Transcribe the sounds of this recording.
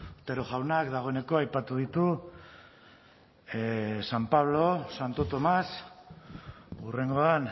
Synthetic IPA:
t̪eɾoʝawnakd̪aɣ̞o̞ene̞ko̞ajpat̪uð̞it̪u | sampaβ̞lo̞sant̪o̞t̪o̞mas | ure̞ŋɡo̞an

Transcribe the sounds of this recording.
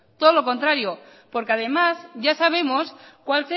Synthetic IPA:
t̪oðolo̞ko̞nt̪ɾaɾjopo̞ɾkeað̞e̞mazʝasaβ̞e̞moskwalse

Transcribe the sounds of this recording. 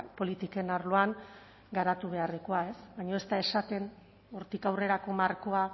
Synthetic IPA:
po̞lit̪ike̞naɾluaŋ | ɡaɾat̪uβ̞e̞arðikoae̞sβaɲo̞e̞st̪ae̞sat̪e̞n | oɾt̪ikawre̞ɾako̞marko̞a

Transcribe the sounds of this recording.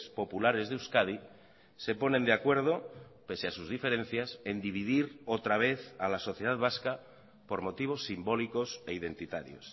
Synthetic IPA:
spo̞pulaɾe̞zðeuskað̞i | se̞po̞nẽ̞nd̪eakwe̞ɾð̞o̞pe̞seasuzðife̞ɾe̞n̟θjase̞nd̪iβ̞iðiɾot̪ɾaβ̞e̞θalaso̞θje̞ð̞aðβaska | po̞ɾmo̞t̪iβ̞o̞sːimbo̞liko̞se̞ið̞e̞nt̪it̪a̰ɾjo̰s

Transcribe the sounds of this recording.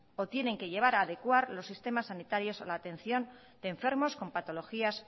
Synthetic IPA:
o̞t̪jene̞ŋke̞ʎe̞β̞aɾaːð̞e̞kwaɾlo̞sːist̪e̞masːanit̪aɾjo̞salaːt̪e̞n̟θjo̞n | d̪eːɱfe̞ɾmo̞sko̞mpat̪o̞lo̞xias

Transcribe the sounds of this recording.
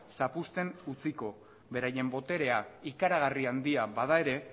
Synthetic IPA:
sapust̪e̞nut͡siko̞ | βe̞ɾaje̞mbo̞t̪e̞ɾe̞aikaɾaɣ̞ariand̪iabað̞ae̞ɾe̞

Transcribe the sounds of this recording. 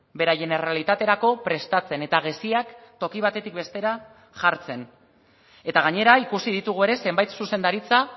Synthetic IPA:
be̞ɾaʝeneralit̪at̪e̞ɾako̞pɾe̞st̪at͡se̞ne̞t̪aɣ̞esiakt̪o̞kiβ̞at̪e̞t̪ik̚be̞st̪e̞ɾa | ʝaɾt͡se̞n | e̞t̪aɣ̞aɲe̞ɾaikusið̞it̪uɣue̞ɾe̞se̞mbajt̪suse̞nd̪aɾit͡sa

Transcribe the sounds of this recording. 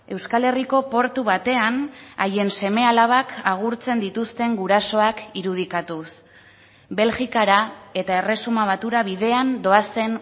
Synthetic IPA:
e̞wskale̞riko̞po̞ɾt̪uβat̪e̞anaje̞nse̞me̞alaβ̞akaɣ̞uɾt͡se̞nd̪it̪ust̪e̞ŋɡuɾaso̞akiɾuð̞ikat̪us | be̞lʝikaɾae̞t̪ae̞re̞sumaβ̞at̪uɾaβiðe̞and̪o̞ase̞n

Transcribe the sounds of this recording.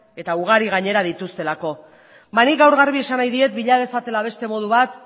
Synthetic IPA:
e̞t̪auɣ̞aɾiɣ̞aɲe̞ɾaðit̪ust̪e̞lako̞ | banikɡawɾɣaɾβie̞sanajðie̞t̪biʎaðe̞sat̪e̞laβ̞e̞st̪e̞mo̞ð̞uβat̪

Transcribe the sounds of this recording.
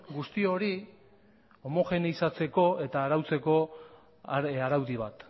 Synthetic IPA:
ɡust̪io̞ɾi | o̞mo̞xe̞niisat͡se̞ko̞e̞t̪aːɾawt͡se̞ko̞ | aɾawðiβ̞at̪

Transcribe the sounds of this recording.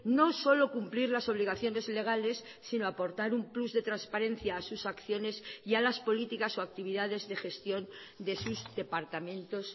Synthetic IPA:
no̞so̞lo̞kumpliɾlaso̞βliɣ̞aθjo̞ne̞zle̞ɣ̞ale̞sːinoapo̞ɾt̪aɾumpluzðe̞t̪ɾanspaɾẽ̞n̟θjaːsusakθjo̞ne̞sialaspo̞lit̪ikaso̞ak̚t̪iβ̞iðað̞e̞zðe̞xe̞st̪jo̞n | d̪e̞suzd̪e̞paɾt̪amẽ̞nt̪o̞s

